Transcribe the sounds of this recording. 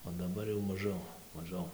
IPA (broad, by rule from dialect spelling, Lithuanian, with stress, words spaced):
oː dɐˈbɐr jɛʊ mɐˈʒʲɛʊ mɐˈʒʲɛʊ